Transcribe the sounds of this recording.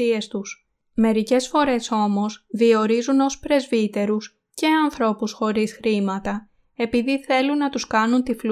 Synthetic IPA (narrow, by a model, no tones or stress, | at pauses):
ie̞st̪us | me̞ɾice̞sfo̞ɾe̞so̞mo̞zðio̞ɾizuno̞spɾe̞zvit̪e̞ɾus | ce̞ɐnθɾo̞pusxo̞ɾisxɾimɐt̪ɐ | e̞piðiθe̞lunːɐt̪uskɐnunt̪ifl